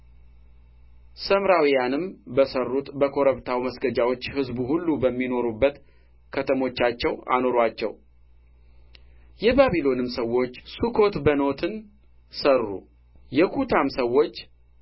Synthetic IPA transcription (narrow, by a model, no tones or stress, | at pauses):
səmɾawijanɨmbəsərːut̪bəkʰo̞ɾəβt̪ʰawməsɡəd͡ʒawo̞t͡ʃːhɨzbuhulːubəmːino̞ɾubːət̪ | kʰət̪ʰəmo̞t͡ʃːat͡ʃːɛwa̰no̞ɾat͡ʃːɛ̰w | jɛbaβilo̞nɨmsəwːo̞t͡ʃːsukʰo̞t̪bəno̞t̪ʰɨn | sərːṵ | jɛkʰut̪ʰamsəwo̞t͡ʃː